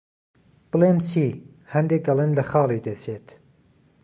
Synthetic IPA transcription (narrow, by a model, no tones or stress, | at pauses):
b̥ɨleːmt͡sʰiː | hɐnd̪eːɡɐlˠenlɐxɑːlˠid̪ɐt͡sʰeːt̪